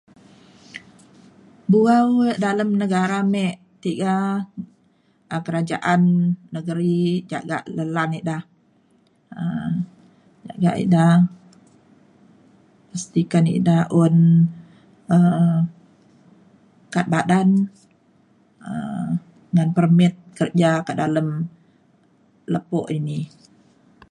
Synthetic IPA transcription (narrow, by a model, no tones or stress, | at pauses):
buawəʔdaləmnəɡaɾamɛʔ | t̪iɡa | ʔəkəɾad͡ʒaʔanːəɡəɾid͡ʒa̰ʔɡa̰ʔləlaniʔdah | ə | d͡ʒa̰ʔɡaʔḭʔda | past̪ikanḭʔdahon | ə | kat̪̚badan | ə̰ | ŋanpərmɪt̪̚kərd͡ʒakədaləm | ləpɔʔini